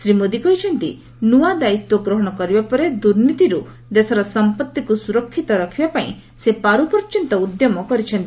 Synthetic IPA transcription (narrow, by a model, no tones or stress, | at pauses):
sɾimod̪ikɔɦit͡ʃʰɔnt̪ḭ | nuad̪ait̪wɔɡɾɔɦɔɽ̃ɔkɔɾibapɔɾed̪uɾnit̪iɾu | d̪esɔɾɔsɔmpɔt̪ːikusuɾɔkʰːit̪ɔɾɔkʰibapaĩ | sepaɾupɔɾt͡ʃɔnt̪ɔud̪jɔmɔkɔɾit͡ʃʰɔnt̪i